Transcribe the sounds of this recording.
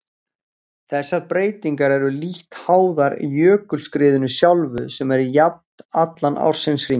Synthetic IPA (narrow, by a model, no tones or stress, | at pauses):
θɛsːaɾpɾeːjt̪iŋkaɾɛɾʏliht̪haːwðaɾḭjœːkʏlskɾɪːðʏnʏsjawlvʏsɛmɛɾjap̚t̪at̪lanʔa̰wɾ̥sɪnsri